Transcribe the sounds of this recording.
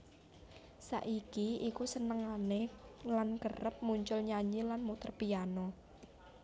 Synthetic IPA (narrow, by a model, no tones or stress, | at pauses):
sa̰ʔikiikusənəŋanelankərəp̚muɲt͡ʃʊlɲaɲilanmut̪ərpijanɔ